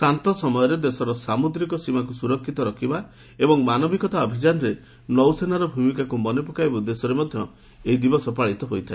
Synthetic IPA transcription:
sant̪ɔsɔmɔjɔɾed̪esɔɾɔsamud̪ɾikɔsimakusuɾɔkʰːit̪ɔɾɔkʰiba | ebɔŋmanɔbiɡɔt̪aɔbʱid͡ʒanɔɾe | nɔwsenaɾɔbʱumikakumɔnepɔkajbud̪esɔɾemɔd̪ʱjɔ | eid̪ibɔsɔpaɭit̪ɔɦojt̪ʰae

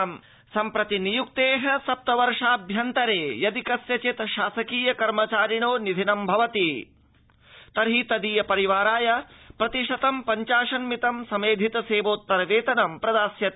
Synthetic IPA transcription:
m | sɐmpɾɐt̪inijuk̚t̪eːɦɐ̆sɐp̚t̪ɐʋɐɾʂaːbʱjɐnt̪ɐɾeːjɐd̪ikɐsjɐt͡ʃit̪ʃaːsɐkiːjɐkɐɾmɐt͡ʃaːɾiɳoːnid̪ʱinɐmbʱɐʋɐt̪i | t̪ɐɾɦit̪ɐd̪iːjɐpɐɾiʋaːɾaːjɐpɾɐt̪iʂɐt̪ɐmpɐɲt͡ʃaːʃɐnmit̪ɐmsɐmeːd̪ʱit̪ɐseːʋoːt̪ːɐɾɐʋeːt̪ɐnɐmpɾɐd̪aːsjɐt̪

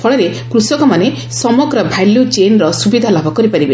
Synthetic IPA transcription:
pʰɔɭɔɾekɾusɔkɔmane | sɔmɔɡɾɔbʱajljud͡ʒenɾɔsubid̪ʱalabʱɔkɔɾipaɾibe

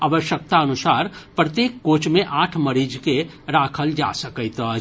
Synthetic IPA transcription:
aːʋəʃək̚t̪aənʊsaːɾpɾət̪jeːkːoːt͡ʃmẽʔaːʈʰməɾiːd͡ʒke | ɾaːkʰəld͡ʒa̰ːsəkəit̪ə

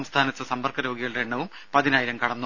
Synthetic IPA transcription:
mst̪ʰaːnɐt̪ːɨsɐmbɐrkɐɾo̞ːɡiɣɐɭɽeɳːɐʋum | pɐðinaːjiɾɐmkɐɽɐnːu

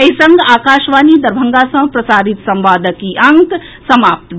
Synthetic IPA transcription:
ɐisəŋɡʱaːkaːʃʋaːnid̪ɐɾbʱəŋɡasɐ̃pɾɐsaːɾit̪sɐmʋaːd̪ʱəkiʔɐŋk | sɐmaːpt̪

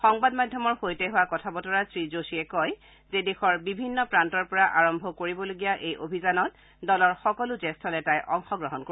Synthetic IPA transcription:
xɔŋbadmadʱjɔmɔɹxojtɛɦʊwakɔtʰabɔtɔɹasɹizosiɛkɔj | zedexɔɹbibʱinːɔpɹantɔɹpɔɹaʔaɹɔmbʱɔkoɹibɔloɡijaʔejʔobʱizanɔt̚ | dɔlɔɹxɔkɔlʊzɛstʰɔlɛtajʔɔŋxɔɡɹɔɦɔnko

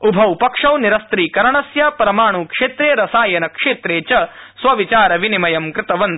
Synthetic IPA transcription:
ubʱɐwpɐkʂɐwniɾɐst̪ɾiːkɐɾɐɳɐsjaːpɾɐmaːɳ̃uːkʂeːt̪ɾeːɾɐsaːjɐnɐkʂeːt̪ɾeːt͡ʃɐ | sʋɐʋit͡ʃaːɾɐʋinimɐjɐmkɾɪt̪ɐʋɐn

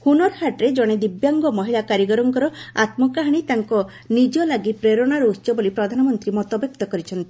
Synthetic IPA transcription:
hunɔɾhaʈɾed͡ʒɔɽ̃ed̪ibjaŋɡɔmɔɦilakaɾjiɡɔɾɔŋkɔɾɔa̰t̪mɔkaɦaɽ̃it̪aŋkɔ | nid͡ʒɔlaɡipɾeɾɔɽ̃aɾɔut̪ːt͡ʃɔbolipɾɔd̪ʱanɔmɔnt̪ɾimɔt̪ɔbjɔk̚t̪ɔkɔɾit͡ʃʰɔnt̪i̥

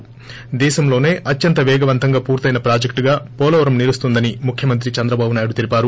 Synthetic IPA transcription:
d̪ɛːʃɐmlo̞ːne̞ːʔɐt̪jɐnt̪ɐʋɛːɡɐʋɐnt̪ɐŋɡaːpuːɾt̪ɐjnɐpɾaːd͡ʒɐkʈɡaːpɔːlɐʋɐɾɐmniɾust̪und̪ɐnimukʰjɐmɐnt̪̬ɾit͡ʃɐnd̪ɾɐbaːbunaːjuɽut̪ilipaːɾu

